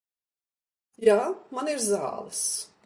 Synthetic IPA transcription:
jaːmaniɾza̰ːlˠɨs

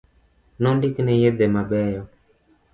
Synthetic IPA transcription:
nɔndiknɛjed̪emabɛjɔ

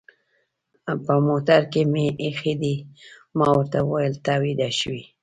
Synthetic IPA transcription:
pəmot̪aɾkemeʔːxid̪imɑwəɾt̪awwajəlt̪awid̪aʃwi

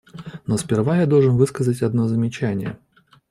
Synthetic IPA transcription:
nɔsʲpʲɪrvajad̪ɔlˠʐɨnvɨskəzətʲad̪nɔzəmʲɪt͡ɕanʲɪjɛ̰

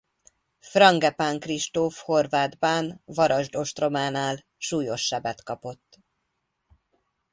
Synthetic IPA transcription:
frɒŋɡɛpaŋkriʃt̪ofho̞rvaːd̪banvɒɾɒʒd̪o̞ʃt̪ro̞maːnaːl | ʃuːjo̞ʃːɛbɛt̪kɒpo̞t̪ː

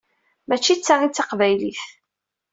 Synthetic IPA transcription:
mæt͡ʃːit͡sːaʁit͡sːaqvæjliθ

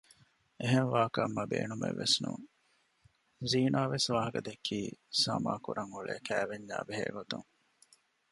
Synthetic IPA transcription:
eɦenʋaːkɐmːɐbḛːnumḛʋːesnuŋ | ziːnaːʋesʋaːɦɐkɐd̪ekʰːiːsɐmaːkuɾɐŋuɭeːkæːʋeɲlaːbeɦeːɡot̪uŋ

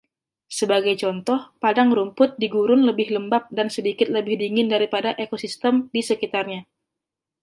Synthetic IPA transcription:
səbaɡajt͡ʃɔnt̪ɔhpadaŋɾumpʊt̪̚diɡuɾʊnləbɪhləmbap̚dansədikɪt̪̚ləbɪhdiŋɪndaɾipadaʔekosist̪əmdisəkit̪arɲa

